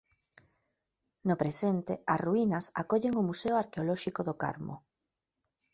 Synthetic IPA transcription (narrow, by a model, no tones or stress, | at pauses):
nopɾesent̪easruinasakoʎeŋʊmuseoaɾkeolɔʃikoðoka̰ɾmo̰